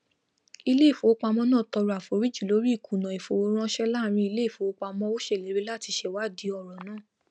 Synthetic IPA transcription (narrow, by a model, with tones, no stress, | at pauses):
i˧le˦i˦˨fo˨wo˦k͡pa˧mɔ̃˦nãː˦˨tɔ˧ɾu˨a˨fo˨ɾi˦d͡ʒu˦˨lo˨˦ɾi˦i˦˨kʰũ˨nã˨i˨fo˨wo˧˦ɾ̃ã˦ʃɛ˦la˦˨ɾ̃ĩ˧i˧le˦˨fo˨o˦k͡pa˧mɔ̃˦o˦ʃe˦˨le˨˦ɾe˦la˦˨ti˧ʃɛ˧˨wa˦˨di˨˦ɔ˨ɾɔ˨nãː˦˨